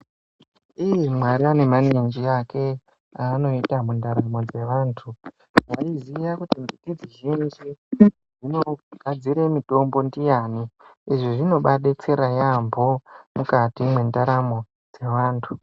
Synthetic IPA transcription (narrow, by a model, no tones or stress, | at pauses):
ijimwaɾiane̞manind͡ʒiake̞ | ano̞itamundaɾamo̞d͡ze̞ʋaːntʰu | waizijakutimbitid͡ziʒind͡ʒi | ʐino̞ɡ̥ʱad͡ziɾe̞mito̞mbo̞ndijaniiʐiʐino̞ɓaɗet͡seɾajambʱo̞mukatimwe̞ndaɾamo̞ | d͡ze̞ʋaːntʰu